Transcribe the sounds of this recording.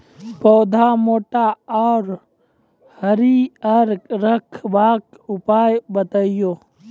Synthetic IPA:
poːd̪ʱamoːʈaɔːɾ | həɾiəɾkɾəkʰbaːk | upaːjbət̪ajoː

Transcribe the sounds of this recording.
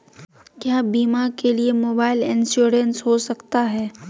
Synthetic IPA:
kjaːbiːmaɾkeliemoːbaːɪlɪ̃nsuːɾensɦosɐkt̪aɦɛː

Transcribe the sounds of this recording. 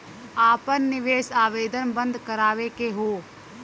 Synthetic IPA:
aːpənːɪʋeːsaːʋeːd̪ənbə̃nd̪ʱkəɾaːʋekeɦoː

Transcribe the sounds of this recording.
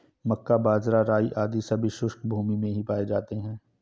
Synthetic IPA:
mɐkːabaːzɾaɾaːiʔaːd̪isɐbʱiʃʊʃkbʱuːmimẽɦipaːed͡ʒaːt̪eɦɛ̃ː

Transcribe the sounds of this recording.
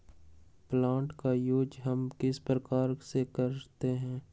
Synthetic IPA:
plãːɳʈkajuːd͡ʒɦɐmkɪspɾəkaːɾsekɐɾt̪eɦɛ̃ː

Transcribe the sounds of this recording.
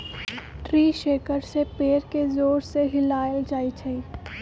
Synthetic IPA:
ʈɾiːʃeːkəɾsepeːɾkezoːɾseɦɪlaːjəld͡ʒaːit͡ʃʰɐiː

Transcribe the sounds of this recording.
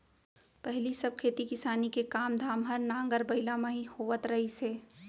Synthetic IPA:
pɛɦlisɐb̚kʰeːt̪ikɪsaːnikekaːmd̪ʱaːmɦɐɾnãːŋɡəɾbɐɪlamãɦihoːʋət̪ɾɐɦiseː

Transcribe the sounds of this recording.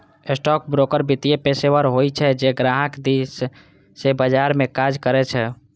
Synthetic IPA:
esʈɔkbɾokəɾbit̪ijepeseʋəɾɦojt͡ʃʰɛd͡ʒeɡɾaɦəkd̪isː | ebəd͡ʒaɾmẽkad͡ʒkəɾɛt͡ʃʰɛ

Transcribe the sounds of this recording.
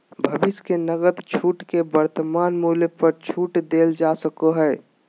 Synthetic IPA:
bʱəbɪskenəɡət̪t͡ʃʰuːʈkebəɾt̪əmaːnmuːləpəɾt͡ʃʰuːʈd̪eːld͡ʒasəkoɦɛː

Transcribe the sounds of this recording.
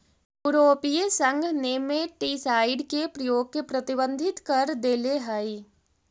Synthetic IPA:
juːɾoːpiesə̃ŋɡʱnemẽʈiːsaːɪɖkepɾɐjoːɡ̚kepɾɐt̪ɪbə̃nd̪ʱɪt̪kɐɾd̪eːleɦai

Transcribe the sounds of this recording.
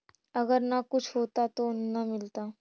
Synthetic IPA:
ɐɡəɾnakʊt͡ʃʰɦoːt̪at̪onɐmɪlt̪aː

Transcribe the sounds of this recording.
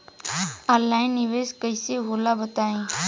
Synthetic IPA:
alːaːɪnːɪʋeːskəɪseɦoːlabət̪aːẽː

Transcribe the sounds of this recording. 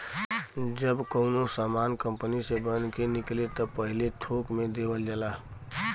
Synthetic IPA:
d͡ʒəbkəʊnosaːmankəmpənisebənkenɪklet̪əpəɦɪlet̪ʰokmẽd̪ebəld͡ʒəla

